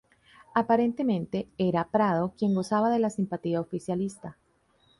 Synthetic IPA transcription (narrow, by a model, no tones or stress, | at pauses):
apaɾe̞nt̪e̞mẽ̞nt̪e̞e̞ɾapɾað̞o̞kje̞ŋɡo̞saβaðe̞lasimpat̪iaofisjalist̪a